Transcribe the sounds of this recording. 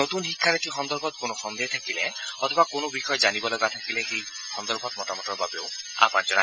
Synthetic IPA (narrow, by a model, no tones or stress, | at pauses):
ot̪unɦikʰːanet̪ʰiɦɔnd̪ɔɾbʱɔt̪̚konoxɔnd̪et̪ʰakileɔt̪ʰɔbakonobixɔed͡ʒanibɔlɔɡat̪ʰakileɦej | hɔnd̪ɔɾbʱɔt̪mɔʈamɔʈɔɾbabew | a̰pãnt͡ʃɔɾa̰